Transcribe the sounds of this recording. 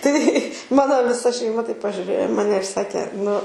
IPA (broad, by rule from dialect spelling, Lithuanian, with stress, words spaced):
tɐɪ ˈmɑːnoː ʋʲɪˈsɐ ʃʲɛɪˈmɐ tɐɪp pɐʒʲʊˈrʲeːjoː ɪ ˈmɑːnʲɛ ɪr ˈsɑːkʲeː nʊ